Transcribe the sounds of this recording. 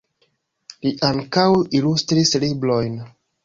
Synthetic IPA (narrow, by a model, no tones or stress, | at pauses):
liʔaŋkawilustɾisliblo̞jn